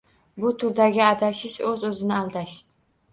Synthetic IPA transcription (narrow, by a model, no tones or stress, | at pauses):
bʊt̪ʰʊɾd̪aɡʲɪad̪aʃɪʃɵzɵzɪnɪalˠd̪aʃ